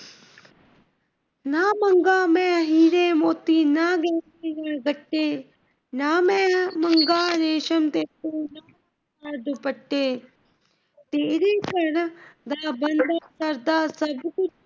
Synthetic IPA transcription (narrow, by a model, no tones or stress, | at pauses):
naːmɐŋɡaːmɛ̃ːɦiːɾeːmoːt̪iːnaɡeːneːnaːɡəʈːeː | naːmɛ̃ːmɐŋɡaːɾeːʃəmt̪eːt̪oːnaː | aːɾd̪əpɐʈːeː | t̪eːɾeːkɐɾd̪aːbɐnd̪aːsɐɾd̪aːsɐbkʊ